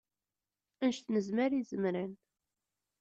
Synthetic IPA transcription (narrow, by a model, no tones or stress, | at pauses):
ænʃt̪nəzməɾizəmɾən